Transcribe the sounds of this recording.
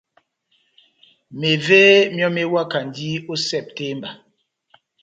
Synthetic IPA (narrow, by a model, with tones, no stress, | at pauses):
me˨ve˦mjɔ˦me˦wa˦ka˨n˨di˦o˦sɛ˦˨p̚te˦mba˨